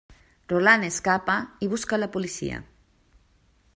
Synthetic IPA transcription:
rolaneskapaiβ̞uskalapulisḭa̰

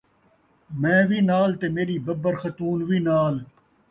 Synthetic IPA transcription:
mɛ̃ːʋiːnaːlt̪eːmeːɾiːbɐbəɾxɐt̪uːnʋiːnaːl

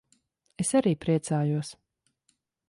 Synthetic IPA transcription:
esaɾiːpɾiɛt̪saːjuɔs

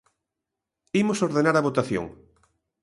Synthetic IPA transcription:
imosoɾðenaɾaβot̪aθjo̰ŋ

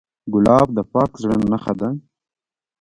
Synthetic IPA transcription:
ɡʊlɑːb̚d̪əpɑːkzɽənnaχad̪a

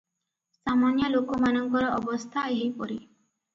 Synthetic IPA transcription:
samanjɔlokɔmanɔŋkɔɾɔʔɔbɔst̪ʰaeɦipɔɾi

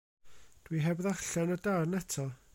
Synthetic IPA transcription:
d̥wiɦɛbðaɬanədarnɛtʰɔ

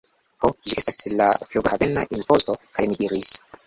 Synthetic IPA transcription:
hoʒie̞staslafluɡhave̞naʔimpo̞sto̞kajmidiɾis

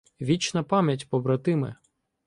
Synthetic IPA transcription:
ʋʲit͡ʃnɐpɑmʲjɐtʲpɔbɾɐt̪ɪmɛ̰

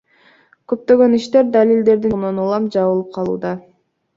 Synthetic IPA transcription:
køp̚t̪ø̞ɡø̞niʃt̪e̞ɾd̪alʲild̪e̞ɾd̪inonulˠɑmd͡ʒɑβɯlˠɯp̚qʰɑlˠṵːd̪ɑ

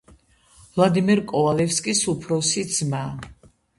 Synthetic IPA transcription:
vlˠad̪imɛɾkʼɔalɛfskʼisupʰɾɔsid̪z̥ma

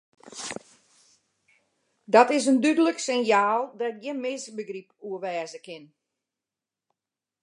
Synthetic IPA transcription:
dɔtɪsəndydələksɪnjaːlˠdɔt̚ɡɪnmɪsbəɡripuəʋɛːzəkɪn

